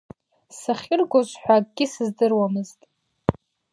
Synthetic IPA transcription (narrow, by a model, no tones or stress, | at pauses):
saχʲɪrɡʷozʷʼħʷᶣak̚ʼɡʲɪsɨzdɨrwamɨztʼ